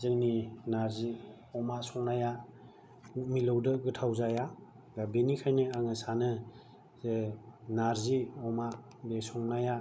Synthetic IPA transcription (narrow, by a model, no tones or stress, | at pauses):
zɯŋninaɾzi | ɔmasɔŋnaja | milɔwdɯɡɯtʰawzaja | ɡabenikʰajnɯaŋɯsanɯ | zenaɾziɔma | besɔŋnaja